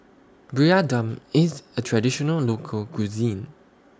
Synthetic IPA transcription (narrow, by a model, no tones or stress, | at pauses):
bɹiadãmizətʰɹadiʃɔnəllokʰəlkuzĩn